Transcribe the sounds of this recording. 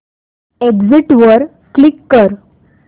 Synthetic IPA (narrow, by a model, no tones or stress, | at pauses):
eɡd͡ziʈʋəɾ | klikːəɾ